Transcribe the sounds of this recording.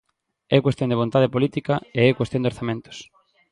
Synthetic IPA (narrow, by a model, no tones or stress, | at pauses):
ɛkwest̪jond̪eβ̞ont̪aðepolit̪ikɐeɛkwest̪jõnd̪oɾθamẽnt̪o̥ʊ̥s